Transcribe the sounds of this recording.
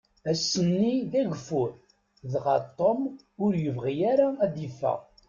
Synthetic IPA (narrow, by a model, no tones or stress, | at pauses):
æsːənːiðæʝfʊɾ | ðʁɑt̪ˤːom | ʊɾjəvʁijæɾaæðifːæ̰